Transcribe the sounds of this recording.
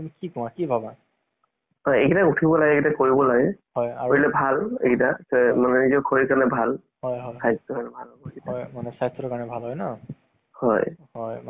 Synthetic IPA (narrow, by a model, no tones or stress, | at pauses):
mikikɔ̃ãkibʱaba | hɔjḛkitaɡutʰibɔlaɡɛekitakoɹibɔlaɡɛhɔjaoɹilɛbʱalḛkitakɔmanɛnizɔkʰoɹikanɛbʱal | hɔjɦɔjsajstɔkaɹnɛbʱalɦɔbɔekiaajmanɛsajstʰɔɔkaɹɔnɛbʱalɦɔjna | hɔ̰jhɔjm